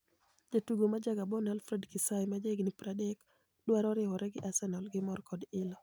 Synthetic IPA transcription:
d͡ʒatuɡomad͡ʒaɡabɔnalfɾɛdkisajmad͡ʒeɡnipɾadɛk | dwaɾɔɾɪwɔɾʔɛɡɪʔasɛnɔlɡɪmɔrkɔdɪlɔ

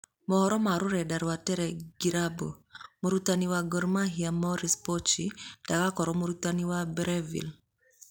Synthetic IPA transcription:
mɔhɔɾɔmaɾʊɾɛdaɾwatɛɾɛɡiɾabo̰moɾutaniwaɡɔɾmaɦiamɔɾispɔt͡ʃid̥akakɔɾɔmoɾutaniwabɾɛvḭl

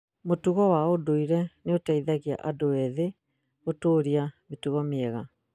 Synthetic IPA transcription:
motuɣɔwaodoiɾɛneotaiðaɣia̰ʔadoɛðe | ɣotoːɾiametuɣɔmeɛɣa

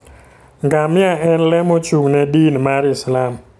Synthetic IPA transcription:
ŋɡamɪaɛnlɛmot͡ʃuŋnɛdinmaɾɪslam

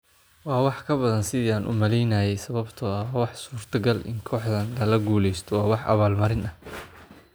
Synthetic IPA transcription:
wɑːwɑħkʰɐbɐðɐnsɪðiːaːnʔʊ̰mɐlɛjnɐːjɛjsɐβɐbt̪ʰɔɐwːwɑħsuːrt̪ʰɐɡɐlɪ̰ŋkʰɔːħðɐnlɐlɐɡuːlɛjst̪ʰɔwɑːwɑħʔɐ̰βaːlmɐɾɪnɐh

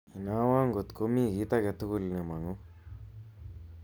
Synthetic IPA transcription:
inaːwaːŋɡot̪komiɡiːt̪aɡet̪ːukulnemaŋu

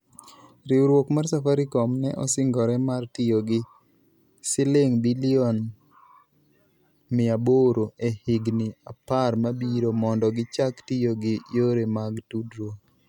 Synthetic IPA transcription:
ɾɪuɾwokmarsafaɾikɔmnɛʔɔ̰sɪŋɡɔɾɛmartijoɡɪ | sɪleŋbilɪɔn | mɪaboɾoʔehɪɡnɪaparmabiɾomɔndɔɡɪt͡ʃaktijoɡɪjoɾemaɡtudɾo

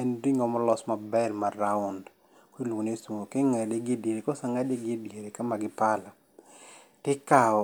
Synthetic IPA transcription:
ɛndiŋɔmɔlɔsmabɛlmaɾaʊnd | kiloŋonesuŋokeŋadeɡɪdeɾekɔsaŋadeɡɪdeɾekamaɡɪpala | tɪkaɔ

